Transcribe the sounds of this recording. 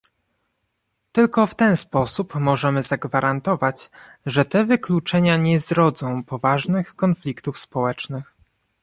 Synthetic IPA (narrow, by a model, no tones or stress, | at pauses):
t̪ɘlkɔft̪ɛnspɔsupmɔʐɛmɘzaɡvaɾʔant̪ɔvat͡ɕʐɛt̪ɛvɘklut͡ʂɛɲaɲɛzɾɔd̪zɔ̃w̃pɔvaʐnɘxkɔnflʲikt̪ufspɔwɛt͡ʂnɘx